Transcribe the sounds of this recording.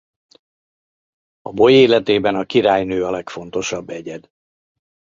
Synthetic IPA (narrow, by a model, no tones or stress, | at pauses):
ɒbo̞jeːlɛt̪eːbɛnɒkiɾaːjnøːɒlɛkfo̞n̪t̪o̞ʃɒbːɛɟɛd̪